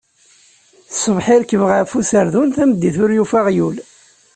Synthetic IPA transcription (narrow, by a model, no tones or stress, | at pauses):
θsˤəvħɪɾkːəvʁæfusəɾðunθæməd̪ːiθʊɾjufaʁjul